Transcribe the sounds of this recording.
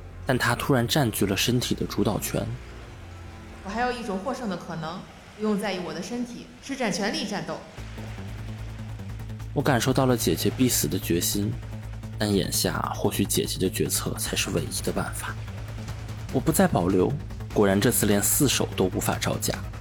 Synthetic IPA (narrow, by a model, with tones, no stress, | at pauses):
t̪a˥˩nt̪ʰa˥t̪ʰu˥ɻa˧˥nʈ͡ʂa˥˩nt͡ɕy˧˥lə˨ʂə˥nt̪ʰi˨˩d̪ə˦ʈ͡ʂu˧˥t̪ɑ˨˩ʊt͡ɕʰɥɛ̰˧˥n | wɔ˨˩xa˧˥ɪjo˨˩ʊi˥˩ʈ͡ʂʊ˨˩ŋxwɔ˥˧ʂɤ˥˩ŋd̪ə˩kʰɤ˨˩nɤ˧˥ŋ | u˧˥jʊ˥˧ŋt͡sa˥˩ɪy˧˥wɔ˨˩ə˦ʂə˥nt̪ʰḭ˨˩˦ʂɻ̩˥˩ʈ͡ʂa˨˩nt͡ɕʰɥɛ˧˥nli˥˧ʈ͡ʂa˥˧nt̪o˥˩ʊ | wɔ˧˥ka˨˩nʂo˥˧ʊt̪ɑ˥˩ʊlə˩t͡ɕjɛ˨˩t͡ɕɥɛ˧˥pi˥˩sɹ̩˨˩d̪ə˦t͡ɕɥɛ˧˥ɕi˥n | t̪a˥˩njɛ̰˨˩nɕja̰˥˧xwɔ˥˩ɕy˧˥t͡ɕjɛ̰˨˩t͡ɕɥɛ˧˥d̪ə˧t͡ɕɥɛ˧˥t͡sʰɤ̰˥˩t͡sʰa˧˥ɪʂɻ̩˥˧we˧˥ɪi˥d̪ə˧pa̰˥˩nfa˨˩˦ | wɔ˨˩pu˧˥t͡sa˥˩ɪpɑ˨˩ʊljo˧˥ʊ | kwɔ˨˩ɻa˧˥nʈ͡ʂɤ˥˧t͡sʰɹ̩˥˩ljɛ˧˥nsɹ̩˥˩ʂo˨˩ʊt̪o˥ʊu˧˥fa̰˨˩ʈ͡ʂɑ˥˧ʊt͡ɕja̰˥˩